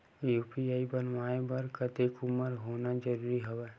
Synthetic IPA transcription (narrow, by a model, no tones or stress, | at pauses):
juːpiaːibɐnʋaːebɐɾkət̪ekʊməɾɦoːnad͡ʒəɾuːɾiɦoʋeː